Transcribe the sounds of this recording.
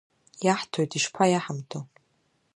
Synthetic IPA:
jaħtʰojtʼiʂpʰajaħamtʰo

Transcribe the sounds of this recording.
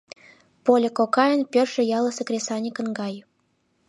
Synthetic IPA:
polʲekokɑjənpʲerʒə̆jɑlˠəsəkrʲesɑnʲikə̆nɡɑj

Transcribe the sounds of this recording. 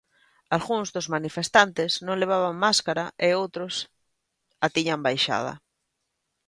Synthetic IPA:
alɣuŋzðʊzmanifest̪ant̪ɪznõŋleβ̞aβ̞aŋmaskaɾaʔɪowt̪ɾʊs | at̪iɲambajʃa̰ð̞ɐ̰

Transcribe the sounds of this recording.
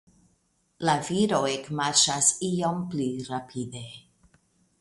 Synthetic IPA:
laviɾoekmaɾʃasiomplirapʰide

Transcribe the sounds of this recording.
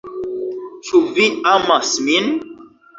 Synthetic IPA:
t͡ʃuviamasmin

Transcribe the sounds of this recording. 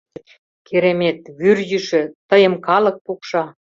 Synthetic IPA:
kʰeɾemet̪βyrjyʃø̆t̪əjə̆mkɑlɤ̆k̚pukʃɑ

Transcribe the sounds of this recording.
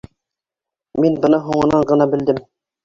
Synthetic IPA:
minbɤ̆nɑɦuɴɤ̆nɑɴɢɤ̆nɑbɘ̆ld̪ɘm

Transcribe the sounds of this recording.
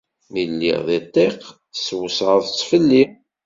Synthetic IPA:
milːḭʁðit̪ˤːeq | swəsʁəðˤt͡sːfəlːin

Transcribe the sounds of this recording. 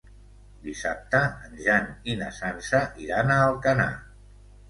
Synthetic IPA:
d̪isap̚t̪əənʒaninəsansəʔiɾanəːlˠkəna̰

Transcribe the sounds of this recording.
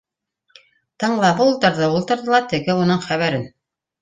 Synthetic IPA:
t̪ɤ̆ɴlˠɑβɤulˠt̪ɤ̆ɾðɤulˠt̪ɤ̆ɾðɤ̆lˠɑt̪ɘ̆ɡɘunɤɴχæβæɾɘn

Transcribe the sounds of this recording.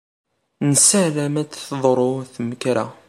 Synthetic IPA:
nəsəʕɾæmæt͡sθðˤɾˤoθməkɾæ

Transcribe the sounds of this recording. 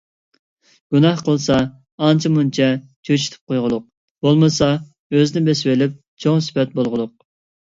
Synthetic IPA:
ɡ̥unɑhqʰəlˠsɑ | ɑnt͡ʃʰimunt͡ʃʰɛt͡ʃʰøt͡ʃʰi̥t̪ʰy̥p̚qʰojʁʊlˠʊq̚ | b̥olˠmɨsɑ | øzɪnɪbeswelɪp̚ | t͡ʃʰoŋsɪ̥pɛt̪̚bolˠʁʊlˠʊq̚

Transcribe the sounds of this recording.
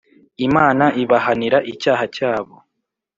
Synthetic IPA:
imaːnaʔiβahaniɾaʔicaːhacaːβo

